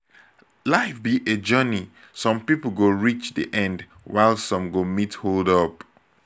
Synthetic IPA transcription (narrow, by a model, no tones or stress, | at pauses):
laɪfbiʔed͡ʒɜni | sɔ̃mpipl̩ˠɡoɹit͡ʃdḭʔɛ̃nd | waɪlˠsɔ̃mɡomitholdʌp